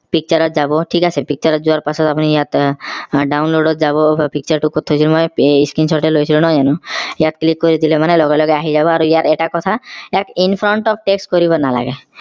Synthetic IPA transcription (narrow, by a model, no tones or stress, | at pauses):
pik̚t͡ʃɔɾɔt̪̚d͡ʒabɔʈʰikasepik̚t͡ʃɔɾɔt̪d͡ʒuaɾpasɔt̪apunijat̪ | ɖawnloɖɔt̪d͡ʒabɔpik̚t͡ʃɔɾʈukot̪ʰːojt͡ʃʰilmɔjiskɾinsɔɾʈelɦojt͡ʃʰilunɔd͡ʒanũjat̪klikːɔɾid̪ilemanelɔɡelɔɡeaɦid͡ʒabɔaɾuijaɾeʈakɔt̪ʰaɛkinpʰɾɔɳʈɔp̚ʰʈeksʈkɔɾibɔnala̰ɡe